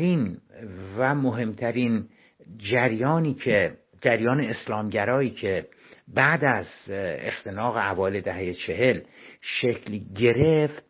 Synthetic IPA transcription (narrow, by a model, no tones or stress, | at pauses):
ɾiːnvæmoɦe̞mt̪ʰæɾiːn | d͡ʒæɾjɒːniːcʰe | d͡ʒæɾjɒːne̞ːslɒːmɟæɾɒːiːkʰe̞ | bæʔd̪æzḛxt̪ʰe̞nɒːɣe̞ævɒːeled̪æhejet͡ʃʰe̞ɦe̞lʃecʰlɟe̞ɾeft̪